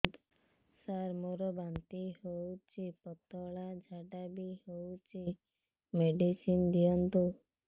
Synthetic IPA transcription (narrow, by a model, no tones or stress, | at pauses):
d̪ | saɾmoɾɔbant̪iɦowt͡ʃipɔt̪ɔɭad͡ʒʱaʈabihowt͡ʃi | meɖisind̪ijɔnt̪u